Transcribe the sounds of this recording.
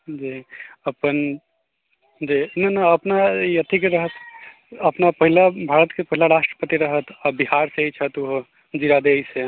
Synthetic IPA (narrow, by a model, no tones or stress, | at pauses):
d͡ʒeəpən | d͡ʒenanaəpnajət̪ʰikeɾəɦət̪ | əpnapəɦilabʱaɾət̪kepəɦilaɾasʈɾəpət̪iɾəɦət̪abihaɾseɦit͡ʃʰət̪uɦo | d͡ʒiɾad̪eɦise